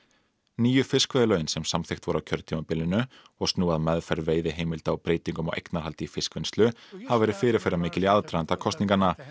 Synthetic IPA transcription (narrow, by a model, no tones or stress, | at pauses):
niːjʏfɪskvɛjðɪlœːɥnsɛmsamθext̪vɔɾawcʰœɾt̪ʰiːmapɪlːɪnʏ | ɔɣst̪nuːaðmɛðfɛɾveːjðɪɦejmɪlt̪aɔpɾeːjt̪iŋkʏmɔ̰wʔḛjknaɾɦalt̪ɪifɪskvɪnst̪lʏhavvɛːɾɪðfɪːɾɪɾ̥fɛɾamɪːcɪliaðt̪ɾaðant̪akʰɔst̪niŋkanːa